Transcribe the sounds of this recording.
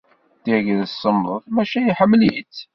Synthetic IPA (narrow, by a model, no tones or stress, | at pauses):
t̪iʝðsːəmðˤəðmæʃæjiħəmːlit͡s